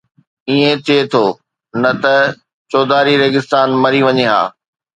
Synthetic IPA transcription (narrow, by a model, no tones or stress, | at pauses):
iẽt̪ʰiet̪ʰoː | nɐt̪ɐ | t͡ɕɔːd̪aːɾiɾeːɡɪst̪aːnmɐɾiʋɐɲeɦa̰ː